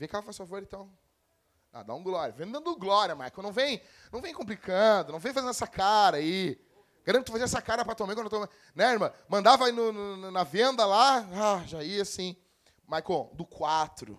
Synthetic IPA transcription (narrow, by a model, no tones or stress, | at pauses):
veɐkɛlɐfajsfavoɾẽt̪ɐ̃w̃ | a̰d̪a̰ũɡlɔɾjɐvẽnd̪ɐ̃nd̪ʊɡlɔɾiɐmajkonɐ̃w̃vẽj̃ | nɐ̃w̃vẽj̃kõplikʰɐ̃d̪ʊnɐ̃w̃vẽj̃fazẽnd̪ɛsɐkaɾɐai | ɡ̥aɾɐ̃t̪̚t̪ʊfaziɐɛsɐkaɾɐpɾɐt̪omẽjkɐ̃d̪ʊt̪omẽ | nɛ̃eɾmɐ̃mɐ̃nd̪avɐinʊnnɐvẽnd̪ɐlaaʒaiɐsĩ | majkod̪ʊkwat̪ɾʊ̰